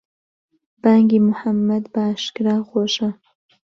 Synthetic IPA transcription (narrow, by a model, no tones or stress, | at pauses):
baːŋɡimʊħamːɐd̪baaːʃkɾaːɣoːʃɐ